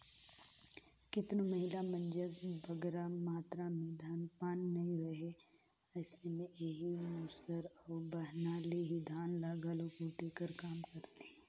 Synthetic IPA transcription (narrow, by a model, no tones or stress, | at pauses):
kɪt̪nomɐɦɪlamɐ̃nd͡ʒəɡbʱɐɡɛɾamaːt̪ɾamẽd̪ʱaːnpaːnːɐɦĩɾɐɦe | ɛːsemẽeɦimuːsəɾɔːɾbɐɦnaːleɦid̪ʱaːnlaɡalokuʈeːkəɾkaːmkɐɾt̪eɦɛ̃ː